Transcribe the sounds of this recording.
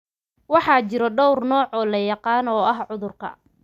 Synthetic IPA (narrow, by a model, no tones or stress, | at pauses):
wɑħɑːt͡ʃɪɾɔɖɔwrnɔːʕɔːlɐjɑqɑːnɔːɐɦʕʊðʊrkʰɐ̰